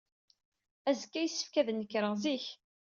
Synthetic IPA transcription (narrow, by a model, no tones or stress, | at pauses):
æzkːæjəsːə̥fkæðnəkːɾəʁziç